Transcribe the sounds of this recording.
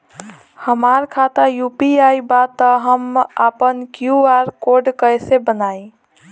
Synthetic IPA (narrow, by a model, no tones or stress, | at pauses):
həmaɾkʰat̪ajupiajbat̪əɦəma̰pənkjuaɾkoɖkəjsebənaj